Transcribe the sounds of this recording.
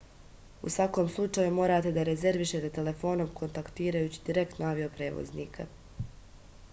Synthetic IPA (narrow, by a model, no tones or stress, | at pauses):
usʋako̞ːmslˠut͡ʂajumo̞ːɾaːt̪e̞d̪aɾe̞ze̞ɾʋiʃet̪e̞t̪e̞le̞fo̞no̞mkʰo̞nt̪akt̪iːɾajuːt͡ɕi̥d̪iɾe̞kt̪noaʋio̞pɾe̞ːʋo̰znḭːkʰa